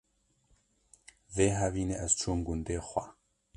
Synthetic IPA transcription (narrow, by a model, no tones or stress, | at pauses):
veːɦɐviːneʔɛzt͡ʃʰumɡund̪eːxʷa